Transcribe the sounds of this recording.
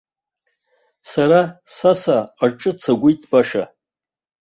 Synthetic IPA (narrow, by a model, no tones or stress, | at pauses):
saɾasasaːʈ͡ʂʼɨt͡sʰaɡʷʊjtʼbaʂa